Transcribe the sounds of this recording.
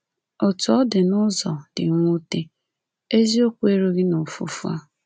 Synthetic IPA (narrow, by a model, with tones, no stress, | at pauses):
o˨tʊ˨ɔ˦dɪ˨nʊ˦zɔ˨d̥ɪ˨ŋʷu˦te˦ | e˦zi˦o˦kʷu˦e˦ɾo˦ɣi˦no˨fṵ˨fu˦a̰˦